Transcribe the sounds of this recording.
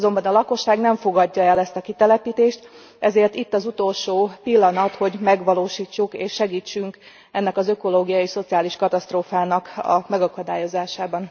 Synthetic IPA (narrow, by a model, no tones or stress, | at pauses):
zo̞mbɒnɒlɒko̞ʃːaːɡnɛɱfo̞ɡɒɟːɒɛlɛst̪ɒkit̪ɛlɛpiːt̪eːʃt̪ | ɛzeːrt̪it̪ːɒzut̪o̞lʃoːpilːɒnɒt̪ho̞ɟmɛɡʋɒloːʃiːt͡ʃːukeːʃːɛɡiːt͡ʃːyŋk | ɛnːɛkɒzøko̞loːɡijɒiʃso̞t̪siaːliʃkɒt̪ɒst̪roːfaːnɒkɒ̰mɛɡɒkɒd̪aːjo̞zaːʃaːbɒn